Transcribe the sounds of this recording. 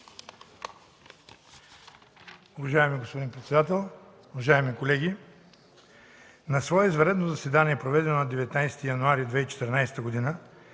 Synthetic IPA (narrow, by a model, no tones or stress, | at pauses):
ʊvɐʒaɛmiɡospod̪inpɾɛt̪sɛd̪at̪ɛlˠ | ʊvɐʒaɛmikolɛɡʲi | nɐsvɔɛizvɐɾɛd̪nozɐsɛd̪aniɛpɾovɛd̪ɛnonɐd̪ɛvɛt̪najst̪ijɐnuaɾid̪vɛit͡ʃɛ̥t̪ɛɾnajsɛ̥t̪əɡod̪inə